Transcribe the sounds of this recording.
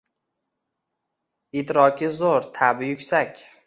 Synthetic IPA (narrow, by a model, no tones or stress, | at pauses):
ɪd̪ɾɒkʰʲɪzoɾt̪ʰabɪjʊkʲsakʲ